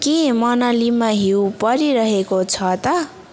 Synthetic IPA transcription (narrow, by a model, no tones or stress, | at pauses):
kemʌnʌlimaɦiwpʌɾiɾʌɦekot͡sʰʌt̪ʌ